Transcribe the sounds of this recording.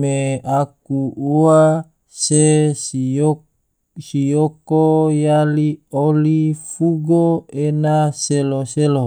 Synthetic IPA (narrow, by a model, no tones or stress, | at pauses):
meakuua | se | o | sijokojaliolifuɡoenaseloselo